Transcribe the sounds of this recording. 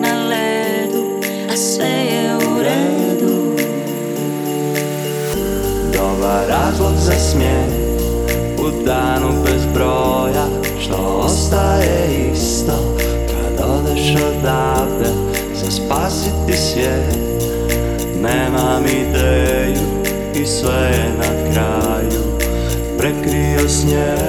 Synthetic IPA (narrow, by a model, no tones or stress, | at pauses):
nalɛ | d̪u | asɛjɛuɾɛd̪u | d̪obaɾazloɡzasmjɛni | ud̪aːnubɛzbɾo | ja | ʃt̪o̰ | ɔst̪aɛiist̪o | kʰa̰d̪od̪ʃod̪a | t̪ɛ | saspaːsit̪isʋjɛ | neːmamid̪eju | isʋɛjɛnakɾa | ju | pɾɛkɾiosɲe